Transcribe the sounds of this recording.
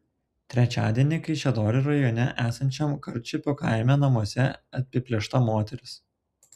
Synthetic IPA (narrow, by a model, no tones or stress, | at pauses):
t̪ʲɾʲɛt͡ʃʲæːd̪ʲiɛnʲɪkɐɪʃʲɛd̪oːɾʲɪɾɐjoːnʲɛʔæːsɐnʲt͡ʃʲɛmkɐɾʲt͡ʃʲʊpʲokɑˑɪmʲænɐmuɔsʲɛɐt̪̚ʲpʲɪpʲlʲɛʃt̪ɐmoːt̪ʲɛɾʲɪs